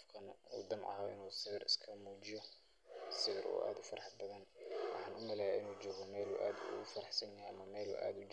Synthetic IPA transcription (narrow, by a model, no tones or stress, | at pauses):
fkʰɐnṵːd̪ɪmʕɑ̰ɔɪ̰nuːsɪɣɪrɪ̰skʰɐmuːt͡ʃɪjɔ | sɪɣɪɾṵːʔa̰ːd̪ʊfɐɾɑħd̪̚bɐðɐnwʔɑ̰ħɑːnʰʊmɐlɛhʔɪnuːd͡ʒɔːɣɔmɛːlṵːʔaːd̪ʊ̰ɣʊfɐɾɐħsɐnjɐɦɛjɐmɐmɛːlṵʔa̰ːd̪ʊd͡ʒ